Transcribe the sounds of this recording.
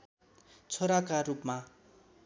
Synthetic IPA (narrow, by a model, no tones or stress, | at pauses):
t͡sʰoɾakaɾupma